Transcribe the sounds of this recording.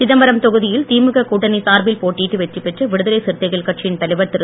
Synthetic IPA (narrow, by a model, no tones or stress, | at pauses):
sɪðɐmbɐɾɐmt̪ɔɣɯðɪjɪlt̪iːmɯɣɐkuːʈːɐnisaːɾbɪlpoːʈːiːʈːɯʋɛt͡ʃːɯpɛʈrɐʋɪɽɯðɐlɐɪsɪɾt̪ɐɪɣɐɭkɐʈ̚t͡ʃɪjɪnt̪ɐlɐɪʋɐɾt̪ɪɾɯ